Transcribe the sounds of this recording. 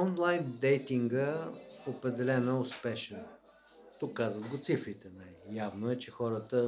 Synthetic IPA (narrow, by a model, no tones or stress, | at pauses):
ɔnlˠajnd̪ɛjt̪iŋɡəopɾɛd̪ɛlɛnɐɛʊspɛʃɛn | t̪ukːazvəd̪ɡot̪sifɾit̪ɛnajːavnoɛt͡ʃɛxɔɾət̪ə